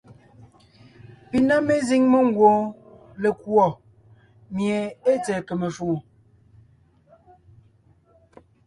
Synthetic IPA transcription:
pi˨na˦me˦zi˦ŋmɔ˦ŋ̩˦˨ɡwo˦le˨kwɔ˨ | mje˨e˦t͡sɛ˨kə˨me˨fo˨

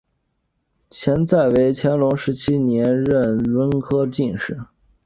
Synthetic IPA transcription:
t͡ɕʰjɛ˧˥nt͡sa˥˩ɪwe˧˥ɪt͡ɕʰjɛ˧˥nlʊ˧˥ŋʂɻ̩˧˥t͡ɕʰi˥njɛ˧˥nɻə˥˩nwə˥nkʰɤ˥t͡ɕi˥˧nʂɻ̩˥˩

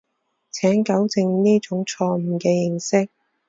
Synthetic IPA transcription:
t͡sʰɛː˨˥nkɐ˨˥wt͡sɪ˧ŋniː˥t͡ʃʊ˨˥ŋt͡ʃʰɔː˧m̩˨˩kɛː˧jɪ˨˧ŋsɪ˥k̚

